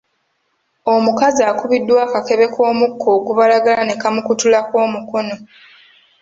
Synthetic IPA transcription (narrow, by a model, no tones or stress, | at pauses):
o̞mukaziaːkuβidːwaːkake̞βe̞kʰo̞ːmukʰːo̞ːɡuβalaɡalane̞kamukutulako̞ːmuko̞no̞